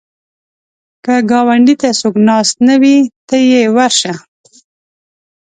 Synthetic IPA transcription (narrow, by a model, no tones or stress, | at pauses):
kaɡɑwaɳɖit̪asoknɑst̪nawit̪əjewaɾʃa